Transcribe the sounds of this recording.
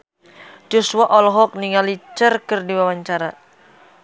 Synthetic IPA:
d͡ʒ̥osuaʔɔlɔɦɔk̚niŋalit͡ʃərkərdiwawaɲt͡ʃaɾa

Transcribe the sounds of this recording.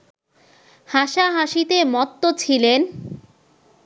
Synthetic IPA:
haʃaɦaʃit̪emɔt̪ːot͡ɕʰilen

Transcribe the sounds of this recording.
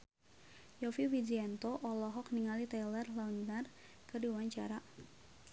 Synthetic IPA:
jɔfiwid͡ʒiɛnt̪ɔʔɔlɔɦɔk̚niŋalit̪alərlaunŋar | kɨrdiwaɲt͡ʃa̰ɾa

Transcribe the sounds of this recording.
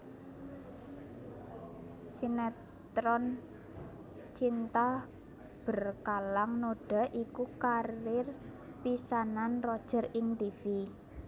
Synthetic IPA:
sinɛ | t̪ɾɔn | t͡ʃint̪a | b̥ə̤rkalaŋnoɖ̥a̤ʔikukaɾɪr | pisananrɔd̥ʒ̥ə̤rɪŋt̪ifi

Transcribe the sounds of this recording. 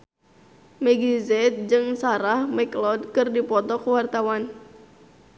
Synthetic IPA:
mɛɡizɛt̪̚d͡ʒɨŋsaɾahmɛklɔd̚kɨrdipɔt̪ɔkuwart̪awan

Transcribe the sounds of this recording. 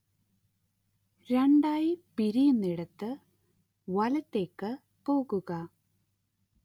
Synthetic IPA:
ɾeɳɖaːjipiɾijunːiɽɐt̪ːɨ | ʋɐlɐt̪ːeːkːɨ | poːɣuɣɐ

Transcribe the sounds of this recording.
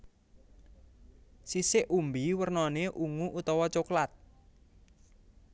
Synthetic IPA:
sisɪʔumbiwərnɔneʔuŋuʔut̪ɔwɔt͡ʃoklat̪̚

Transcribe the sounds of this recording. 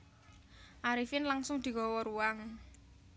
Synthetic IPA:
ʔaɾifɪnlaŋsʊŋd̪̥i̤ɡɔ̤wɔɾuwaŋ

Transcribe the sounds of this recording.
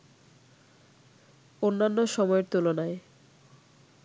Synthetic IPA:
onːanːoʃɔmɔeɾt̪ulonae

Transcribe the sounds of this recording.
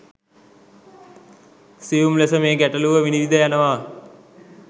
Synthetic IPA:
sijumlesəmeːɡæʈəluʋəʋiniʋid̪əjanəʋaː

